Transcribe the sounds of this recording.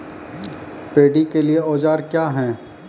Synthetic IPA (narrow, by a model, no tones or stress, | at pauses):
peːɖikelieɔːd͡ʒaːɾkjaːɦɛ̃ː